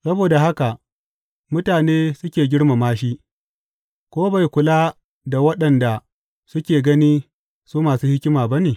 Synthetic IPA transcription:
sɐ˦boː˨da˨ɦa˦ka˨ | mʊ˦taː˨neː˦sʊ˦kʲeː˨ɡʲɪ˦ɽma˨maː˦ʃ̬i˦ | kʷoː˦ba˨jkʷʊ˨laː˦ | da˨wɐ˦ɗɐ˨nda˨ | sʊ˦kʲeː˨ɡɐ˦niː˦ | suː˦maː˨suː˦hɪ˦kʲɪ˦maː˨ba˦neː˨

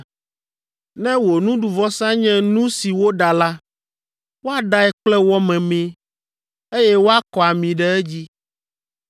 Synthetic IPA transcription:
nɛ̃˦wo˨nũ˦ɖu˨vɔ˦sã˦ɲɛ̃˦nũ˦si˨wo˦ɖa˨la˦ | wo˦a˦ɖa˦ɛ˦k͡plɛ˦wɔ˦mɛ̃˨mɛ̃˦ | e˦jɛ˦wo˦a˦kɔ˨a˨mĩ˨ɖɛ˦ɛ˦d͡ʑi˦

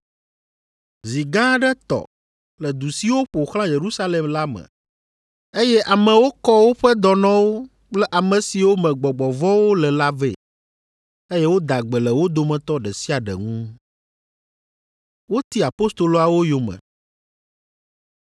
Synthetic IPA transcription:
zi˨ɡã˦ɖɛ˦t̪ɔ̰˨ | lɛ˨d̪u˨si˦wo˦ɸo˨xlã˦je˨ɾu˦sa˦lɛ˨mla˦mɛ̰̃˨ | e˦jɛ˦ʔa˨mɛ̃˨wo˦kɔ˦wo˦ɸɛ˦d̪ɔ˨nã˦wo˦ | k͡plɛ˦ʔa˨mɛ̃˨si˨wo˦mɛ̃˨ɡ͡bɔ˨ɡ͡bɔ˨vɔ˦wo˦lɛ˨la˦vɛ̰˦˨ | e˦jɛ˦wo˦d̪a˨ɡ͡bɛ˨lɛ˨wo˦d̪o˨mɛ̃˨t̪ɔ˦ɖɛ˨si˦a˨ɖɛ̰˨ŋũ˦ | wo˦t̪i˦a˨po˦st̪o˨lo˨a˨wo˦jo˨mɛ̰̃˨

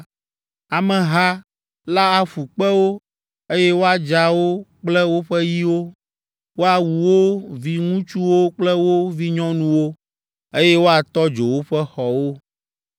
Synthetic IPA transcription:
a˨mɛ̃˨ɦa˦ | la˦a˨fu˨k͡pɛ˦wo˦ | e˦jɛ˦wo˦a˨d͡ʒa˨wo˦k͡plɛ˦wo˦ɸɛ˦ji˦wo˦ | wo˦a˨wu˨wo˦vi˦ŋũ˦t͡ʃu˦wo˦k͡plɛ˦wo˦vi˦ɲɔ̃˦nũ˨wo˦ | e˦jɛ˦wo˦a˨t̪ɔ˦d͡ʒo˨wo˦ɸɛ˦xɔ˨wo˦

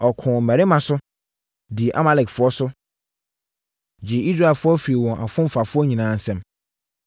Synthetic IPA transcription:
ɔ˨kʰʊ̃˨mæ˨ɾɪ˦mã˨sʊ˦ | dɪ˨ʔa̰˦ma˦lɛ˨kfʊ˨ɔ˦sʊ˦ | d͡ʑɪ˨i˦s̬ɾa˦ɛ˨fʊ˦ɔ˦fi˨ɾi˨wɔ̃˨ʔa˨fʊ̃˦m̩˦fa˨fʊ˦ɔ˦ɲĩ˨nãː˨˦n̩˨sɛ̃˦m

